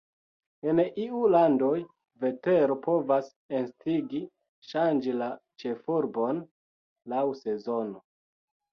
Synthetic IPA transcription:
eniulando̞j | ve̞teɾopo̞vas | enstiɡi | ʃand͡ʒilat͡ʃe̞fuɾbo̞n | lawse̞zo̞no

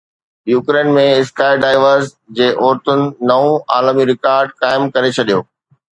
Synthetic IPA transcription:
juːkɾeːnmẽɪskaːɪɖaːɪʋəɾs | d͡ʑeːʔɔːɾt̪ʊnɪ̆nɐũaːlmiɾɪkaːɾɖkaːɪmkɐɾet͡ɕʰɐɗijoː

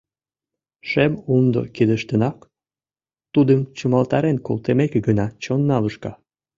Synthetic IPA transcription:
ʃemumd̪o̰kid̪əʃt̪ənɑk | t̪ud̪əmt͡ɕumɑlt̪ɑɾenko̰lˠt̪emekeɡənɑt͡ɕonːɑləʃkɑ

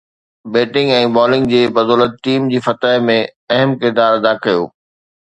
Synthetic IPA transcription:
beːʈɪ̃ŋɡɛ̃ːbɔːlɪ̃ŋɡd͡ʑeːbɐd̪ɔːlət̪̚ʈiːmd͡ʑiːfɐt̪əmẽɐɦəmkɪɾd̪aːɾɐd̪aːkɐjo̰ː

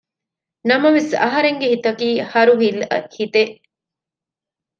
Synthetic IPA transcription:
nɐmɐʋesɐ̰ɦɐɾeŋɡehit̪ɐkiːhɐɾuɦilhit̪eʔ

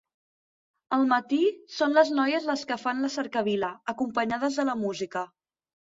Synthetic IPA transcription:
əlˠmət̪isonləznɔjəzləskəfanləsəɾkəβiləəkumpəɲaðəzðələmuzikə

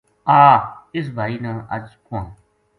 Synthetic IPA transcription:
aːɪs̬bʱaːiːnə̃ːʔə̰d͡ʒkʊ̃ãː

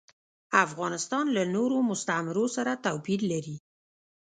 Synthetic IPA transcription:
afɣɑnɪst̪ɑnlanoɾomʊst̪amɪɾosaɾat̪awpid̪laɾi

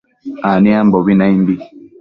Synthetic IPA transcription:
aniambɔbinaimbi

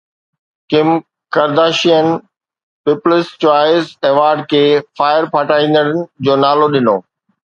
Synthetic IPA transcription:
kɪm | kɐɾd̪aːʃijənɪ̆ | pɪplɪst͡ɕaːɪzeːʋaːɾɖ̚kʰeːfaːɪəɾpʰaːʈaːĩːn̆d̪əɽənɪ̆d͡ʑoːnaːloɗɪnoː

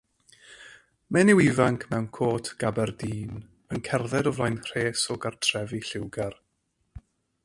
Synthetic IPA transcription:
mɛnɪwɪvaŋkʰmɛwnkʰoːtʰɡ̥abɛrdiːn | ənkʰɛrðɛdɔvlˠajnr̥eːsɔɡartʰrɛviɬɪwɡar

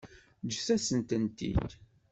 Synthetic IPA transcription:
d͡ʒəθæsənt̪ənt̪ḭd

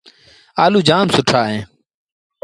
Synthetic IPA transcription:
aːluːd͡ʒaːmsʊʈʰaːɦẽː

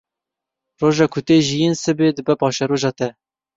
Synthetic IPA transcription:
roːʒɑːkʰʊt̪eːʒijinsɨbed̪ɨbɛpʰɑːʃɛɾoːʒɑːt̪ɛ

